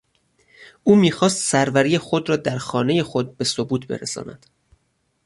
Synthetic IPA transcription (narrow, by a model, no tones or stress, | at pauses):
ʔuːmiːxɒːst̪sæɾvæɾiːjexod̪rɒːd̪æɾxɒːne̞je̞xo̞d̪̚be̞so̞buːt̪ʰbe̞̰ɾḛsɒ̰ːnæ̰d̪̥